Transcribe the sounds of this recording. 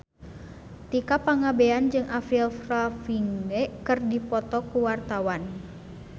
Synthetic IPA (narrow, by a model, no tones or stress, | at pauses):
t̪ikapaŋabeand͡ʒɨŋafilfrafiŋɛkɨrdipɔt̪ɔkuwart̪awan